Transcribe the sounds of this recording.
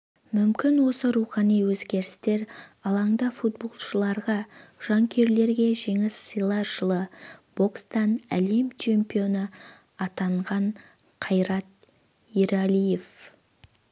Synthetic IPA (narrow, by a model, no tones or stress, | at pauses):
mʏmkʲɪnwo̞səɾuχɑnijwɵzɡʲe̞ɾɪst̪e̞ɾɑlˠɑɴd̪ɑfut̪̚bo̞lˠʃəlˠɑɾʁɑʒ̥ɑŋkʲʰe̞ɾle̞ɾɡʲe̞ʒe̞ŋɪsːijlˠɑʒ̥əlˠəb̥o̞kst̪ɑnæle̞mt͡ʃʰe̞mpijo̞nə | ɑt̪ɑɴʁɑɴ | qʰɑjɾɑt̪̚ | iɾɑlije̞f